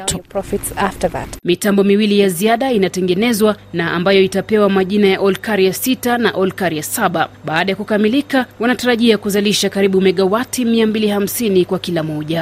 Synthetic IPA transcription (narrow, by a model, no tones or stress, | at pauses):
pɹɔfitsaftəða̰tmitambɔmiwilijaziaɗainatɛŋɡɛnɛzwanaambajɔitapɛwamaʄinajaʔɔlkaɾiasitanaʔɔlkaɾiasaɓaɓaːɗajakukamilikawanataɾaʄiakuzaliʃakaɾiɓumɛɠawatimiambiliham̩sinikwakilamɔʄa